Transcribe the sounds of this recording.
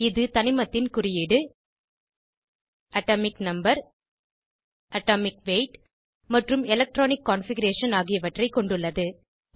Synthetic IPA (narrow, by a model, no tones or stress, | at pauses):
ɪðɯt̪ɐnɪmɐt̪ːɪnkʊrɪjɪɽɯ | ʔɐʈoːmɪknɐmbɐɾ | ɐʈːoːmɪkʋeːʈ | mɐʈrɯmɛlɐk̚ʈɾoːnɪkːaːnfɪɡɐɾeːʂɐnaːɣɪjɐʋɐʈrɐɪkːɔɳɖɯɭːɐðɯ